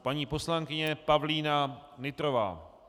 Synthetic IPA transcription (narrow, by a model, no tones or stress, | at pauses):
paɲiːpo̞slaŋkɪɲɛpavliːnanɪt̪ɾova̰ː